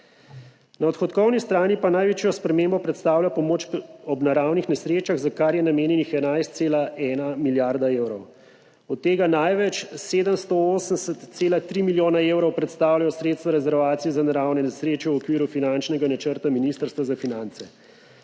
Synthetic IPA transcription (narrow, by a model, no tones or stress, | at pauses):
naɔt̪xɔt̪kɔwnist̪ɾaːnipanajʋeːt͡ʃjɔspɾɛmeːmbɔpɾɛt̪st̪aːwlʲapɔmoːt͡ʃɔbnaɾawnixnɛsɾeːt͡ʃaɣzakaɾjɛnameːnjɛnixɛnajst̪̚seːlaɛːnamiljaɾd̪aeːwɾɔw | ɔt̪ːeːɡanajʋɛt͡ʃseːd̪əmst̪ooːsənsət̪seːlat̪ɾiːmiljoːnaeːwɾɔwpɾɛt̪st̪aːwlajɔsɾeːt̪st̪ʋaɾɛzɛɾʋaːt̪sijɛzanaɾawnɛnɛsɾeːt͡ʃɛwɔkʋiːɾufinant͡ʃnɛɡanat͡ʃəɾt̪aminiːst̪əɾst̪ʋazafinant̪sɛ